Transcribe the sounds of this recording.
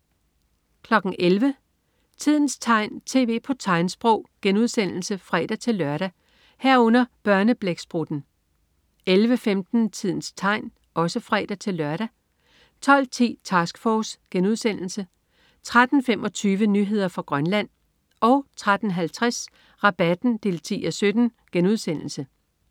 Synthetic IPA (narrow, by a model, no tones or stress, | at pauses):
kʰlɒ̽ɡ̥n̩ʔelʋə | t͡sʰið̞̰ˠn̩st͡sʰɑ̈ɪ̰nt͡sʰe̝̰ːʋe̝̰ːpʰɒ̽t͡sʰɑ̈ɪnsb̥ʁɔʊ̰ɡ̥enuð̞ˠsen̰l̩səfʁɛ̰ːd̥æt͡sʰe̝lːɶɐɾ̥æ | heɐ̰ɔ̽n̰ɐb̥ɶɐnəb̥leɡ̥sb̥ʁud̥n̩ | elʋəfemd̥n̩t͡sʰið̰ˠn̩st͡sʰɑ̈ɪ̰n | ʔɒ̽səfʁɛ̰ːd̥æt͡sʰe̝lːɶɐɾ̥æ | t͡sʰɒ̽l̰t͡sʰḭːt͡sʰɑsɡ̥fɒːsɡ̥enuð̞̰ˠsen̰l̩sə | t͡sʰʁad̥n̩femɒ̽t͡sʰyːʋənyɦe̝ð̞̰ˠɐfɑ̈ɡ̥ʁɶnlæn̰ | ɒ̽ʊt͡sʰʁad̥n̩ɦælt͡sʰʁas | ʁɑ̈b̥æd̥n̩d̥e̝̰ːlt͡sʰḭːæsød̥n̩ | ɡ̥enuð̞ˠsen̰l̩sə